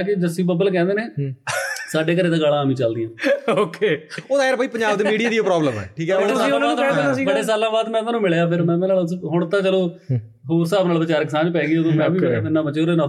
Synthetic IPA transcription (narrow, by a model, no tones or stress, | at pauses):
k̬ɪd͡ʒəsĩːbəbəlk̬ɛ̃ːnd̪eːneː | saːɖeːk̬əɾeːt̪ãːɡaːlãːaːmĩːt͡ʃəld̪ɪjãːoːkeːoːd̪aːeɾbaːiːpəɲd͡ʒaːb̚d̪eːmiːɽiaːd̪iːopɾɔːbləmɛ̰ːʈʰiːkɛəeaĩoaːnãːauːd̪ɛːsibəɽeːs̬aːlãːbaːd̪mɛ̃ːmɛːnũːmɪɭejaːpʰɪɾmɛ̃ːmɛ̃ːnaːlʊsɦʊɳt̪ãːt͡ʃəlõː | ɦoːsaːbnaːlʋɪt͡ʃaːɾkɪsãːnpɛ̃ːɡiːoːd̪õːmɛ̃ːʋiːepɪnːãːbət͡ʃːeoɾenãː